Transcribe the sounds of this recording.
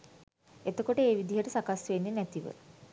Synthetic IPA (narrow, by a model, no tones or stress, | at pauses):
et̪okoʈəeːʋid̪iɦəʈəsakasʋenːenæt̪iʋə̰